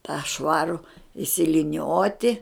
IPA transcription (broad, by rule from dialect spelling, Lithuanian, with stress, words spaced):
tɑː ˈʃʋɑːrʊ ɪʃʲsʲɪlʲɪˈnʲoːtʲɪ